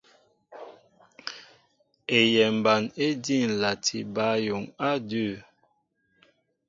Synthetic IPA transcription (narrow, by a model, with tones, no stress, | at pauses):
e˨jɛ˨m˨ba˨ne˦di˦˨n̩˨la˨tʰi˨ba˦jo˨ŋa˦də˦˨